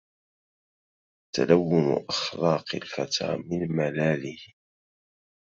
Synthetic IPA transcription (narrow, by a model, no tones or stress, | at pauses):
t̪a̰lawːʊn̰ʔaxlɑːqɪlfat̪ʰa̰ːmɪnmalaːlɪh